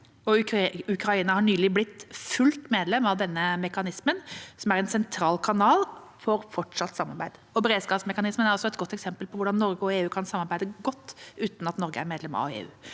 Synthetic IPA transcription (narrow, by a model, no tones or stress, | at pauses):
ɔʉkɾɑiːnəhɑɳyːlɪblɪt̪ːfʉlt̪meːd̪lɛmɑʋd̪ɛnːəmɛkɑnɪsmənsɔmæɾɛnsɛnt̪ʰɾɑːlkʰɑnɑːlfɔɾfɔʈʂɑt̪ːsɑmːɑɾbæ̰ɪd̪ | ɔbɾeːd̪skɑːpsmɛkɑnɪsmənæɾɔsːɔɛt̪ɡɔt̪ːɛksɛmpəlpʰɔʋʊɖɑnːɔɾɡəɔeːʉːkʰɑnsɑmːɑɾbæɪd̪əɡɔt̪ːʉːt̪n̩ɑt̪nɔɾɡəæ̰ɾmeːd̪lɛmɑ̰ḛːʉ̰ː